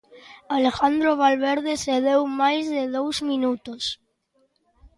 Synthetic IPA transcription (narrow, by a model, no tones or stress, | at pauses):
alexand̪ɾoβ̞alβeɾðeseðewmajzðeðowzmĩnut̪os